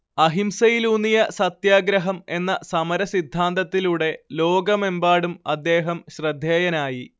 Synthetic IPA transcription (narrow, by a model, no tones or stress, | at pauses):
ɐɦimsɐjilunːijɐsɐt̪jaːɡɾɐɦɐme̞nːɐsɐmɐɾɐsid̪ʱːaːnd̪ɐt̪ːiluːɽe̞lo̞ːɡɐme̞mbaːɽumɐd̪ːe̞ːɦɐmɕrɐd̪ʱjeːjɐnaːji